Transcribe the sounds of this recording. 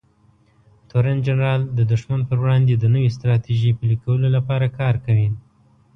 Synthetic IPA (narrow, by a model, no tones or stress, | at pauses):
t̪oɾand͡ʒanɾɑld̪əd̪ʊʂmanpəɾwɽɑnd̪ed̪ənəwes̬t̪ɾɑt̪iʒipəlikawəlolapɑɾakɑɾkawin